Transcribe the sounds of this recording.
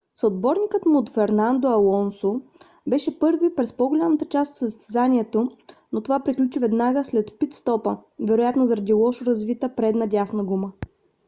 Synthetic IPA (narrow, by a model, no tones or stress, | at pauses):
sod̪̚bɔɾnikət̪mʊːt̪fɛɾnand̪oɐlˠɔnso | bɛʃɛpɤɾɡvipɾɛspoɡolʲamət̪ət͡ʃast̪ot̪səzəst̪ɛzanʲiɛt̪onot̪ovapɾiklʲut͡ʃivɛd̪naɡəslɛt̪pit̪st̪ɔpəvɛɾojat̪nozɐɾɐd̪ilˠɔʃoɾɐzvit̪əpɾɛd̪nɐdʲasnəɡumə